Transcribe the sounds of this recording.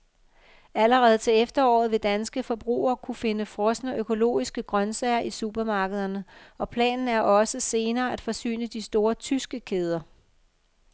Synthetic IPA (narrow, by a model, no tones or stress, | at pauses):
æləʁɛð̞ˠt͡sʰe̝lefd̥ɐɒ̰ːð̩ˠʋe̝d̥ænsɡ̥əfɒ̽b̥ʁṵːɐːkʰufe̝nəfʁɒsnəʔøkʰo̝lo̝̰ːisɡ̥əɡ̥ʁɶnsɛɪɐʔisub̥ɐmɑ̈ːɡ̥əð̞ˠɐnəɒ̽pʰlɛ̰ːnn̩æɐʔɒ̽səse̝ːnɐːæd̥fɒ̽sy̰ːnəd̥isd̥o̝ːɐt͡sʰysɡ̥əkʰeːð̞ˠɐ